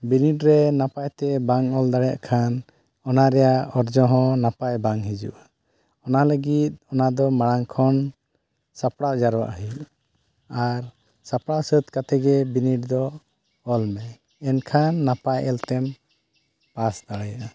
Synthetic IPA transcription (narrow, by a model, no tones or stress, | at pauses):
biniʈɾɛnapajt̪ɛbaŋɔld̪aɽɛja̰ʔkʰan | ɔnaɾɛjaɔɾd͡ʒɔ̃ɦɔ̃napajbaŋɦid͡ʒṵʔa | ɔnaləɡit̪̚ˀɔnad̪ɔmaɽaŋkʰɔn | sapɽawd͡ʒaɾwa̰ʔɦiʔ | aɾ | sapɽawsət̪kat̪ɛɡɛbiniʈ̚d̪ɔ | ɔlmɛ | ɛnkʰanːapajɛlt̪ɛm | pasd̪aɽɛjaʔa